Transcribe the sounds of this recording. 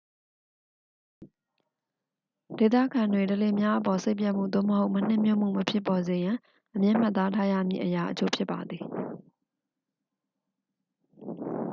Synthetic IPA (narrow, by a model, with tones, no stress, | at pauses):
d̥e˨t̪̬a̰˦˨ɡã˨ndwe˨təle˨mja˦ʔəpɔ˨se˦ɪpja˦ʔm̥ṵ˦˨d̪o̰˦˨məɦo˦ʊʔmə˨n̥ɪ̰̃˦˨mjo̰˦˨m̥ṵ˦˨mə˨pʰjɪ˦˨pːɔ˨ze˨jã˨ | ʔəmjɪ̃˦˨m̥a˦t̪ːa˦tʰa˦jä̰˦˨mjḭ˦˨ʔəja˨ʔət͡ɕʰo̰˦pʰjɪ˦pːa˨d̪ði˨